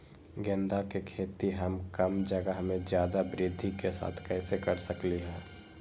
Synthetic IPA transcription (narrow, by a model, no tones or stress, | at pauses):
ɡẽnd̪akekʰeːt̪iɦəmkɐmd͡ʒəɡaɦɐmẽzjaːd̪abɾɪd̪ʱːikesa̰ːt̪ʰkɛːsekɐɾsəkliɦɛ̃ː